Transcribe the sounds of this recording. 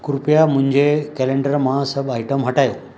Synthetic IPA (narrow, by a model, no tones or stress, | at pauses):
kʊɾpijamʊ̃ɦɪ̃ɲd͡ʑekɛːlẽɳɖəɾmãsɐɓaːɪʈəmɦɐʈaːjoː